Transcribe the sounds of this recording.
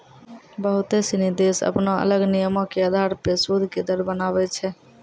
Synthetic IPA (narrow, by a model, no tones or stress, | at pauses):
bəɦut̪esinid̪esə̰pnaə̰ləɡnijəmokeəd̪ʱaɾpɾesud̪ʱked̪əɾbənaβɛt͡ʃʰɛ